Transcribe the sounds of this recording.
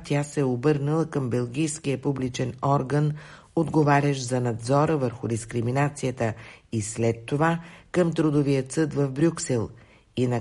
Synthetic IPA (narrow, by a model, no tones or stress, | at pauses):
t̪ʲasɛobɤɾnəlˠəkəmbɛlˠɡʲijskiəpublit͡ʃɛnɔɾɡən | od̪ɡovaɾʲəʃzɐnɐd̪zɔɾəvəɾxʊd̪iskɾiminat̪sijət̪əislɛt̪ːovakəmt̪ɾod̪ovijət̪sɤd̪vəvbɾʲuksɛlˠ | inɐ